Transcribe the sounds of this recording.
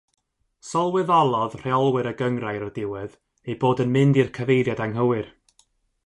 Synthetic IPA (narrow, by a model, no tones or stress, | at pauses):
sɔlˠwɪðalˠɔð̥r̥eɔlˠwɨɾəɡəŋrajɾədɪwɨð | ejboːdənmɨndirkʰəvejðjadaŋɦəwɨr